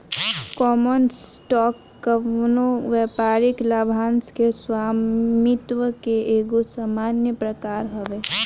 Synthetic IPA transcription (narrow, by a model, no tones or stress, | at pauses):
kɔmənsʈɔːkːənoʋɛːpaːɾiklabʱanskeswamit̪wəkeeɡosamaːnjəpɾəkaːɾɦoʋe